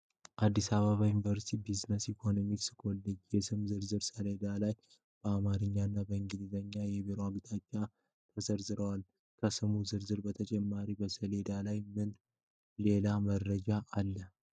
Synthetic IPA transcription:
ʔad̪ːisaβaβajunvəɾst̪ʰibiznəsikʰo̞nomiksɨ̥kʰʼɔlːəd͡ʒjɛsɨmzɨɾzɨɾsəled̪alaj | b̥əamaɾɨɲːanːabəɨŋɡɨd̪izəɲːajɛβeɾwaɡt̪ʰʼat͡ʃːa | t̪ʰəsəɾzɨɾəwal | kʰəsɨmuzɨɾzɨɾbət̪ʰət͡ʃʼɛmːaɾibəsəled̪alajmɨn | le̞laməɾːəd͡ʒaʔːlːə

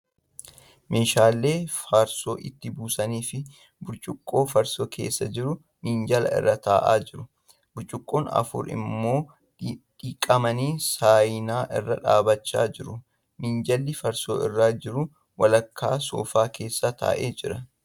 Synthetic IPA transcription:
mʔe̞ːʃaːlːe̞ːfaːɾso̞ːʔɪt̪ːɪbuːsɐniːfɪ | bʊɾt͡ʃʼʊkʼːo̞ːfɐɾsoːkʰe̞̰ːsːɐd͡ʒɪɾʊ | niːnd͡ʒɐlɐ̰ɪ̰rːɐt̪aːʔa̰ːd͡ʒɪɾʊ | bʊɾt͡ʃʼʊkʼːo̞ːnɐ̰fʊ̰ɾɪ̰mːo̞ː | ᶑiːkʼːɐmɐniːsaːjnaːʔɪrːɐᶑa̰ːbɐt͡ʃːa̰ːd͡ʒɪɾʊ | niːnd͡ʒɐlːɪfɐɾsoːɪrːaːd͡ʒɪɾʊ | wɐlɐkʰːaːso̰ːfaːkʰe̞ːsːɐt̪ʰa̰ːʔeːd͡ʒɪɾɐ

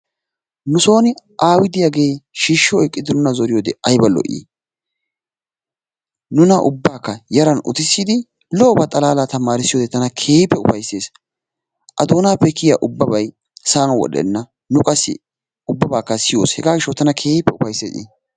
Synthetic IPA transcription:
nʊso̞ːnɪʔaːwɪd̪ɪjɐɡe̞ːʃiːʃːɪɔjkʼːɪd̪ɪnʊnɐzɔɾɪjoːd̪ɛɐjbɐlɔ̰ʔḭ | nʊnɐʔʊ̰bːaːkːɐjɐɾɐnʊ̰t̪ɪsːiɪd̪ɪ | lɔːbɐt̪ʼɐlaːlat̪ɐmaːɾɪsːɪjoːd̪ɛt̪ɐnɐkʰe̞ːjpːɛʊfɐjseːs | ʔɐd̪o̞ːnaːpːɛkɪjɐʔʊbːɐbɐj | saːnɐwɔ̰ɗɛ̰nːɐ | nʊkʼɐsːɪ̰ | ʊbːɐbaːkːɐsɪjo̰ːshɛɡaːɡɪʃːot̪ɐnɐkʰe̞ːjpːɛʊfɐjsːḛːʔɪ̰

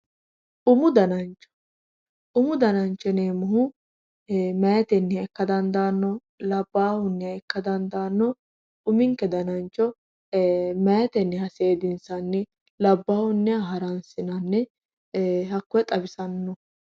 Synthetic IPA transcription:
ʔʊmʊd̪ɐnɐnt͡ʃːɔ̥ | ʔʊmʊd̪ɐnɐnt͡ʃːɛneːmʊhʊ | meːt̪ɛnːɛɛkːɐd̪ɐnd̪aːnːɔ | lɐbːaːhʊnːɛjɐɛkːɐd̪ɐnd̪aːnːɔ | ʊmɪŋkːɛd̪ɐnɐnt͡ʃːɔ | meːt̪ɛnːɛhɐseːd̪ɪnsɐnːɛ | lɐbːaːhʊnːɪjɐɦɐɾɐnsɪnɐnːɛ | hɐkːɔjɛt̪ʼɐbɪsɐnːɔ

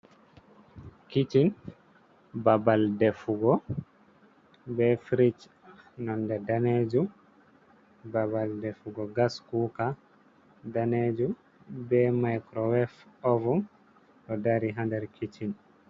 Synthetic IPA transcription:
kit͡ʃin | babaldɛfuɡɔ | bɛfɾit͡ʃ | nɔndɛdaned͡ʒum | babaldɛfuɡɔɡaskuka | daned͡ʒum | bɛmajkɾɔwɛfɔvum | tɔdaɾiɦandɛɾkʰit͡ʃin

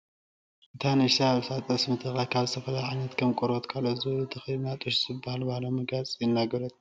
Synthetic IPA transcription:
ʔɨt̪ʰanɨʃsaβsat͡s̪ʼɐsmɨt̪ʰɨxajkʰaβzɨt̪ʰɐfɐlajʕajnɐt̪kʰɐmkʼoɾot̪kʰalozɨɨt̪ʰɨxinat̪ʼɨʃzɨbːahalbahalomɨɡat͡sʼjɪnːaɡɐɾɐt̪ʼ

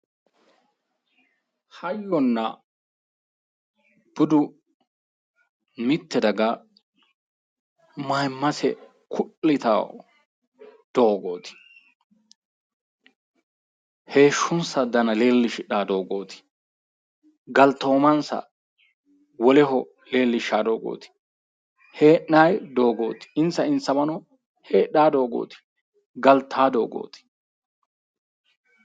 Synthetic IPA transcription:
hɐjːɔnːɐ | b̥ʊd̪ʊ | mɪt̪ːɛd̪ɐɡɐ | majmːɐsɛ̰ | kʰʊʔlɪt̪a̰ | d̪̥oːɡo̞ːt̪ɪ̥ | he̞ːʃːʊnsɐd̪ɐnɐle̞ːlːɪʃɪᶑaːd̪o̞ːɡo̞ːt̪ɪ̥ | ɡɐlt̪ːoːmɐnsɐ̰ | wɔlɛɦɔ | le̞ːlːɪʃːaːd̪o̞ːɡo̰ːt̪ɪ̥ | he̞ːʔːaːjd̪o̞ːɡo̞̰ːt̪ɪ̥ɪnsɐɪnt͡sːɐbɐnɔ | heːɗːaːd̪o̞ːɡo̰ːt̪ɪ̥ | ɡɐlt̪ʰːaːd̪o̞ːɡo̰ːt̪ɪ̥

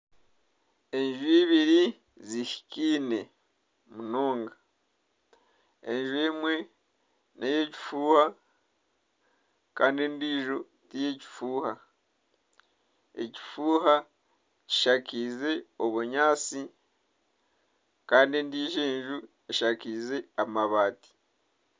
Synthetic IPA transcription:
e̞ɲʒuiβiɾi | ziʃi̥ciːne̞ | muno̞ːŋɡa | e̞ɲʒue̞mwe̞ | nʔeje̞ci̥fuːha | kaːndendiːʒo | tije̞ci̥fuːha | ḛci̥fuːha | ci̥ʃakize̞oβuɲaːt͡si | kaːndendiːʒe̞ːɲʒu | eʃakize̞amaβaːti̥

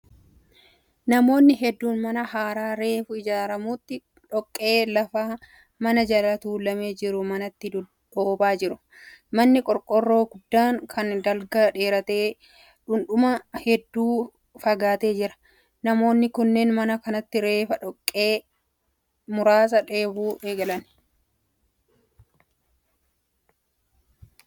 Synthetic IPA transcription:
nɐmo̞ːnːɪɦɛd̪ːuːnmɐnɐhaːɾaːɾe̞ːfʊɪd͡ʒaːɾɐmuːt̪ːɪ | ᶑɔkʼːe̞ːlɐfaː | mɐnɐd͡ʒɐlɐt̪uːlɐme̞ːd͡ʒɪɾʊmɐnɐt̪ːɪ | oːbaːd͡ʒɪɾʊ | mɐnːɪkʼɔɾkʼɔrːo̞ːɡʊd̪ːaːŋkʰɐnd̪ɐlɡɐᶑe̞ːɾɐt̪e̞ː | ᶑʊnᶑʊmɐhɛd̪ːuː | fɐɡaːt̪e̞ːd͡ʒɪɾɐ̥ | nɐmo̞ːnːɪkʊnːeːnmɐnɐkɐnɐt̪ːɪɾe̞ːfɐᶑɔkʼːe̞ː | mʊɾaːs̬ɐᶑe̞ːbuːʔe̞ːɡɐlɐn

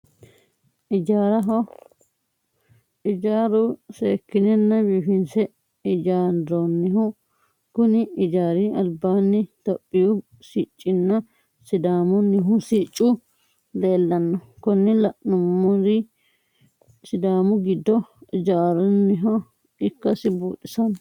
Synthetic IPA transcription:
ɪd͡ʒaːɾɐɦɔ | ʔɪd͡ʒaːɾʊseːkːɪnɛnːɐbiːfɪnsɛ | ɪd͡ʒaːɔnːɪɦʊ | kʊnɪɪd͡ʒaːɾɪɐlbaːnːɪt̪ɔpʼːɪjʊ | siːt͡ʃʼːɪnːɐ | sɪd̪aːmʊnːɪɦʊsiːt͡ʃʼːʊ | leːlːɐnːɔkɔnːɪlɐʔnʊmːɔɾɪ | sɪd̪aːmʊɡɪd̪ːɔɪd͡ʒaːɾʊnːɪɦɔ | ɪkːɐsɪbuːᶑɪsɐn

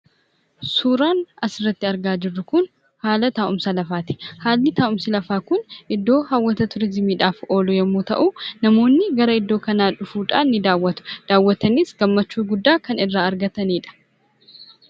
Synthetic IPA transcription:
suːɾaːnɐsɪrːɐt̪ːɪɐɾɡaːd͡ʒɪrːʊkʊn | haːlɐt̪aːʔʊmsɐlɐfaːt̪ɪ̥haːlːɪt̪aːʔʊmsɪlɐfaːkʊnʔɪd̪ːo̞ːhawːɐt̪ɐt̪ʊɾɪzɪmiːᶑaːfo̞ːlɔjɛmːoːt̪ɐ̰ʔunɐmo̞ːnːɪɡɐɾɐɪd̪ːo̞ːkɐnaːᶑʊfuːᶑaːnːɪd̪aːwːɐt̪ʊ̥d̪̥aːwːɐt̪ɐniːsɡɐmːɐt͡ʃːuːɡʊd̪ːaːkɐnɪrːaːɐɾɡɐt̪ɐniːᶑɐ̥

